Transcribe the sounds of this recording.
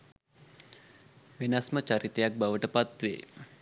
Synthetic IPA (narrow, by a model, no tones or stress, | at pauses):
ʋinasmət͡ʃaɾit̪ejak̚baʋəʈəpat̪ʋḛː